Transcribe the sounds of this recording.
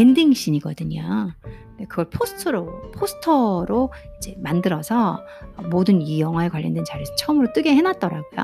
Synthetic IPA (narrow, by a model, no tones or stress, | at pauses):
endiŋɕ͈iɲiɡʌdɯɲo | de̞kɯɡʌɭpʰosʰɯ̥tʰɯɾopʰosʰɯ̥tʰʌɾoid͡ʑe̞mandɯɾʌsʰʌ̰ː | modɯnijʌŋɦwaekwaʎːʌndwent͡ɕaɾjɯsʰt͡ɕʰʌmɯɾot͈ɯɡe̞henat̚t͈ʌɾaɡojo̰